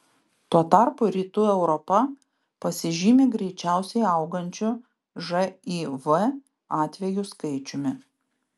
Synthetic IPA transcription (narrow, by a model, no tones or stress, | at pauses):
t̪uɔt̪ɑˑɾpʊɾʲiːt̪uːɛʊɾɔpɐ | pɐsʲɪʒʲiːmʲɪɡɾʲɛɪt͡ʃʲæˑʊsʲɛɪɐʊɡɐnʲt͡ʃʲʊ | ʒɐiːʋə | ɑːt̪ʲʋʲɛjʊskɐɪt͡ʃʲʊmʲɪ